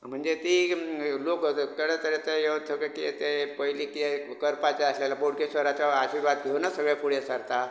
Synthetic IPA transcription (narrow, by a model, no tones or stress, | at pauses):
m̤əɳd͡zet̪ilokkəɽet̪əɾet̪əjeʋt̪ʰəkekit̪epəjlikiekəɾpat͡ɕaəslelaboɽkesʋəɾat͡ɕaaɕiɾʋad̪ɡʱewnasəɡɭepuɽesəɾt̪a